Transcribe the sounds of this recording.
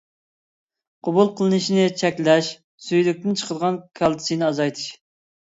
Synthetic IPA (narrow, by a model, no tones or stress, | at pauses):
qʰobulˠqʰəlˠɨnɨʃinɪt͡ʃʰɛkʲlɛʃ | syjlyk̚ʲt̪ɪnt͡ʃʰə̥qʰəd̪əʁɑnkʲʰɑlˠt̪ʰɨ̥sɨnɨɑzɑjt̪ʰɨ̥ʃ